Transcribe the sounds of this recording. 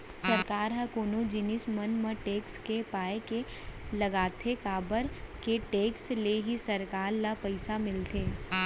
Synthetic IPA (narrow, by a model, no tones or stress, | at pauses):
sɐɾkaːɾɦɐkoːnod͡ʒɪnɪsmɐnmə̃ʈeːkskepaːekelɐɡaːt̪ʰekaːbəɾkeʈeːksleɦisɐɾkaːɾlapɐɪsamɪlt̪ʰeː